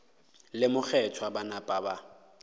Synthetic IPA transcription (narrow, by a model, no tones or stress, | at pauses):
lɪmʊk͡xʰɛtʰwabanapʼaba